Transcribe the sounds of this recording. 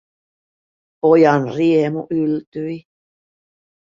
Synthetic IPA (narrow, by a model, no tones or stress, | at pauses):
pojɑnriemuʔylt̪yi